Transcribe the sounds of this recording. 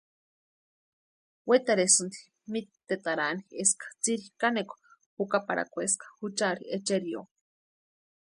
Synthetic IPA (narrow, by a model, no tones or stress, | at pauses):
wet̪aɾesunt̪i̥ | mit̪ːet̪aɾanieskḁt͡siɾikanekʷ | hukapaɾa̰kʷeskḁhut͡ʃaɾiet͡ʃeɾio̰